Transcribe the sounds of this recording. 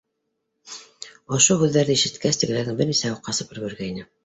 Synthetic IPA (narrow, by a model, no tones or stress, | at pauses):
ŏʃohʉðːæɾðɘiʃɘ̆t̪kæst̪ɘ̆ɡɘ̆æðɘŋbɘɾnisæjuqːɑsɤ̆pɤ̆ɾɡɵ̆ɾɡæinɘ